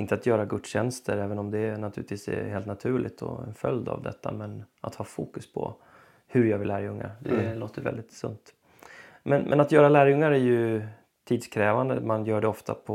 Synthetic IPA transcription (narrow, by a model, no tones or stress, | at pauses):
ɪnt̪əat̪jœːɾaɡɵt̪ɕɛnst̪ʰəɾɛːvənɔmd̪ɛːnat̪ʰʉ̟ːɪt̪viːsɛ̰heːlt̪nat̪ʰʉ̟ːɭɪt̪ʰɔ̰ɛ̰nfœld̪a̰vd̪ɛ̰t̪ʰːa̰mɛnʔat̪hɑːfuːkɵspʰɔ̰ | hɵɾjɑːɡvɪlːæːɾjɵŋːa̰ɾd̪ɛloːt̪əvɛ̰ld̪ɪt̪sɵ̰nt̪ | mɛnmʔɛnat̪jœːɾalæːɾjɵŋːaɾæɾjɵ | t̪ʰiːd̪skʰɾɛːvand̪əmanjœːɖɛɔft̪ʰapʰɔ